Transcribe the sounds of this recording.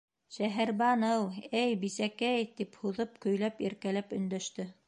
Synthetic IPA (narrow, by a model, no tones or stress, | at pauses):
ʃæɦæɾbɑnɤwɘjbisækæjt̪iphuðɤp̚kɵ̆jlæpiɾkælæpɵ̆nd̪æʃt̪ɘ